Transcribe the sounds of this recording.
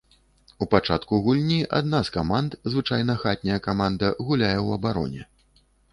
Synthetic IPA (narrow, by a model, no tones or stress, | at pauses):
upat͡ʂat̪kuɣulʲnʲiʔa̰d̪naskamant̪zvɨt͡ʂajnɐxat̪ʲnʲɐjɐkamand̪ɐɣulʲajɛwɐbaɾɔ̰nʲɛ̰